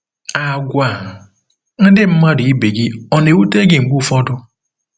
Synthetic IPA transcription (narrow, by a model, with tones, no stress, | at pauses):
a˨ɡʷa˨ | n̩˦dɪ˦m̩˦ma˦dʊ˨i˦be˨ɡi˦ɔ˨ne˨u˦te˦ɡɪ˨ŋ͡m̩˨ɡ͡bu˦˨fɔ˦dʊ˦